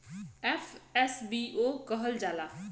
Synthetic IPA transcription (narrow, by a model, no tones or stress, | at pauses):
ɛːfʰɛsbiːʔoːkəɦəld͡ʒaːlaː